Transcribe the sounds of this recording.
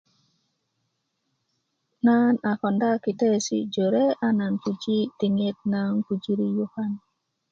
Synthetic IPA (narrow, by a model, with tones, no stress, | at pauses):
na˦na˨kɔ˨nda˦ki˨tɛ˦sḭ˦d͡ʒo˨ɾe˦a˦na˨npu˨d͡ʒi˦ti˨ŋe˦t̚na˦ŋku˨d͡ʒi˦ɾi˦ju˦ha˦n